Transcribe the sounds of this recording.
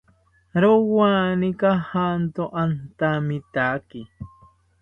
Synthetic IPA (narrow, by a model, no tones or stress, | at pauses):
ɾowanikahant̪oʔant̪amit̪aːki